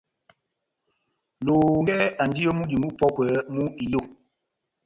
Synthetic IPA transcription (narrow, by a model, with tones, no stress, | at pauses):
loː˨ŋɛ˦a˨n˨d͡ʒi˦jɔ˦mu˦di˨mu˦pɔ˦kə˨˦mu˦i˨jo˦˨